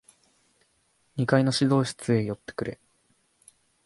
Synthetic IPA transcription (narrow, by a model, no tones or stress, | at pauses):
ɲ̟ikaino̞ɕid̪o̞ːɕi̥t͡sɨe̞jo̞t̪ːe̥kɯ̟ɾʔe̞̰